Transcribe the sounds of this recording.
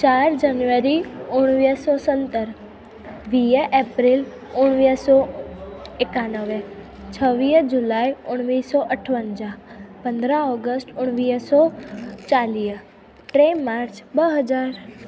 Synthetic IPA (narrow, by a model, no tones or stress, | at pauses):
t͡ʃaɾd͡ʒanjuʋəɾiʊɽ̃ʋisɔsənt̪əɾ | ʋijəʔepɾil | ʊɳ̃ʋisɔ | ekanəʋe | t͡ʃʰəʋid͡ʒulajʊɽ̃ʋisɔʔəʈʰʋənd͡ʒapənd̪ɾãɔɡəsʈʊɽ̃ʋiːsɔt͡ʃaliː | ʈɾemaɾt͡ʃbəɦəd͡ʒaɾ